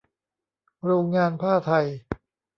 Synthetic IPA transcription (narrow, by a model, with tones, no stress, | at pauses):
ɾoː˧ŋːaː˧npʰaː˥˩t̪ʰa˧j